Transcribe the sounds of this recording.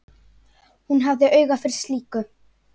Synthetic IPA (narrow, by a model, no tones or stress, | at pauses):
hunɦavðɪʔœːɥɣafɪɾɪ̥ɾ̥st̪liːkʏ